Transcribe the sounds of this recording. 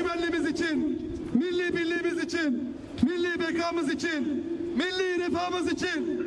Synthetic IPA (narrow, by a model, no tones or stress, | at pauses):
mɐlːimɪzɪt͡ʃʰɪn | mɪlːibilːimɪzɪt͡ʃʰɪn | milːibeːkʰaːmɨzɪt͡ʃʰɪnmɪlːiɾepʰaːmɯzɪt͡ʃʰɪn